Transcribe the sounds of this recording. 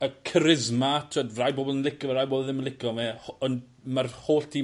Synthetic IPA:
əkʰəɾɪzmatʰodrajboːblˠənlˠɪkɔvaɾajboːblˠðɪmənlɪkɔmɛhɔn | marhoːɬtʰi

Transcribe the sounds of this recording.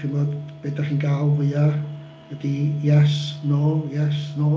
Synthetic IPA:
inboːdb̥edaχiːnɡaːlˠvɨja | wədijɛsnoːljɛsnoː

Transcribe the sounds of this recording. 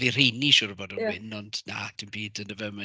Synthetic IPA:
vir̥ejniʃʊːɾəbɔdunɪnɔnd̥na̰dʰinbiːdənəvɛmə

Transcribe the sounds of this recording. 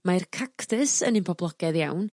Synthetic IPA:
markʰakʰtɪsənɨnpʰɔblˠɔɡ̥ɛðjawn

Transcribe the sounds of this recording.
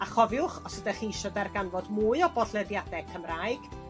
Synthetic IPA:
aχɔvjʊχɔsədaχiiʃɔdɛrɡanvɔdmuːɨɔbɔɬlɛdjadɛkʰəmraːjɡ̥

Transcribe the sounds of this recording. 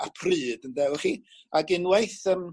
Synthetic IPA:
apʰrɨːdəndɛwχi | aɡɨnwejθəm

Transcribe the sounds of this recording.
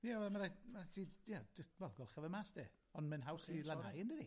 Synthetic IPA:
javɛlmaɾamarasiːdjad͡ʒəst̚vɛlˠɡɔlˠχavɛmaːsd̥eː | ɔnmɛnɦawsilˠanajəndədi

